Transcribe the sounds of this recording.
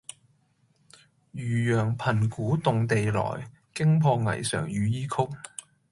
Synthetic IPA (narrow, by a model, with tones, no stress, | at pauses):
jyː˨˩jœː˨˩ŋpʰɐ˨˩nkuː˨˥t̪ʊ˨ŋt̪e˨jlɔ̰ː˨˩j | kɪ˥ŋpʰɔː˧ŋɐ̰˨˩jsœ̰ː˨˩ŋjyː˨˧jiː˥kʰʊ˥k̚